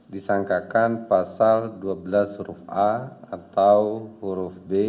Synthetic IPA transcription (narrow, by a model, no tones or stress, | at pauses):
disaŋkakanpasalduabəlasrufʔaat̪awhuɾufbe